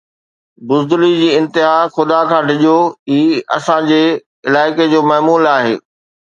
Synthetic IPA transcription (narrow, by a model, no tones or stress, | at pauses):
bʊzd̪ʊlid͡ʑiːɪ̃nt̪ɪɦaxʊd̪akʰãːɖʱɪʄoiːɐ̰sãd͡ʑeː | ɪlaːɪked͡ʑoːmɐɦmuːlaːɦeː